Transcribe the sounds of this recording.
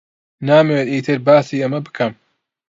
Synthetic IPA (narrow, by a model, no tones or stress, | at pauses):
naːmewet̪iːt̪ʰɨɾbaːsiːɐmɐbɨ̥kʰɐm